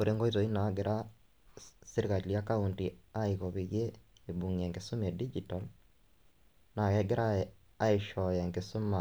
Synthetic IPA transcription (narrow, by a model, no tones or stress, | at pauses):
oɾeŋɡoitoinaɡeɾʔa | siɾkailjakauntiaiɣɔβiɣe | ebuŋiɛŋɡesumɛdid͡ʒital | naɣɛɡeɾa | aeʃɔjɛŋɡesoma